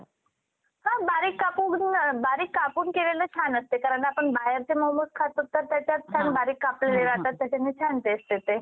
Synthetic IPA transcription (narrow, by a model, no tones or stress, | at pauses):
hãbaɾiːkːapuːnbaɾiːkːapuːnkelelet͡ɕʰanəst̪ekaɾəɳʈapəɳbajəɾt͡ɕeməmoskʰat̪ut̪ːəɾt̪jat͡ɕjat̚t͡ɕʰanbaɾiːkːapleleɾaɦ̪t̪at̪ːjat͡ɕanit͡ɕʰant̪eəst̪et̪e